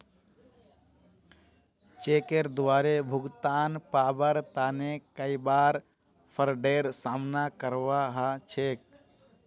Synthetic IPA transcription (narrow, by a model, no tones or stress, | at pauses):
t͡ʃeːkeɾd̪ʋaːɾebʱʊɡt̪aːnpaːbəɾt̪aːnekəibaːɾ | pʰəɾɖeːɾsaːmnakəɾʋaɦat͡ʃʰeːk̚